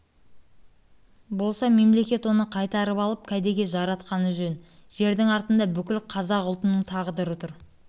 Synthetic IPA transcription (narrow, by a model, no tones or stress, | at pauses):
bo̞lˠsɑme̞mle̞kʲe̞t̪wo̞nəqʰɑjt̪ɑɾəpɑlˠəp̚kʲʰæd̪e̞ɡʲe̞ʒɑɾɑt̪qɑnəʒɵnʒ̥e̞ɾd̪ɪŋɑɾt̪ənd̪ɑbʏkʲɪlqʰɑzɑqʊlˠt̪ənəɴt̪ʰɑʁəd̪əɾət̪ʰʊɾ